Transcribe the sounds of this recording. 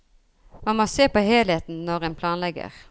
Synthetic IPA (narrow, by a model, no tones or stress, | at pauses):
mɑnmoːseːpoːheːlheːt̪n̩nɔʁɛːnpʰlɑːnlɛɡə̰ʁ